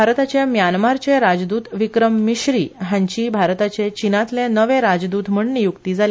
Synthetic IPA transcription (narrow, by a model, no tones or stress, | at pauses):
bʱaɾt̪at͡ɕemjanmaɾt͡ɕeɾad͡zd̪uːt̪ʋikɾəmːiɕɾiːɦjãɲt͡ɕiːbʱaɾt̪at͡set͡ɕinat̪lẽnəʋẽɾad͡zd̪ut̪m̤əɳnijukt̪id͡zale